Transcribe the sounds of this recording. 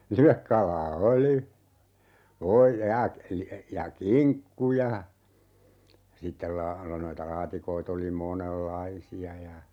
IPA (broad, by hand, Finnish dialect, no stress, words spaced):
liʋekːɑlˑɑː oli oː jɑ jɑ kiŋkːu jɑ sitːel lɑː lo noitɑ lɑːtikoit oli monelːɑisiɑ jɑ